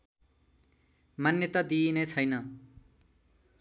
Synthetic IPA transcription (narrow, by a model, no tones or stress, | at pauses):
manjʌt̪ʌd̪inet͡sʰʌjnʌ